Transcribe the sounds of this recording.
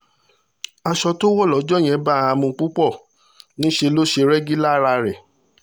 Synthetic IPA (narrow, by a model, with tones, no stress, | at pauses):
a˧ʃɔ˧to˦wɔ˦˨lɔ˨˦d͡ʒɔ˦˨j̃ɛ̃˧˦ba˦a˧mũ˧k͡pu˦k͡pɔ˦˨ | nĩ˦ʃe˧lo˦ʃe˧ɾɛ˦ɡi˦la˦˨ɾa˧ɾɛ˨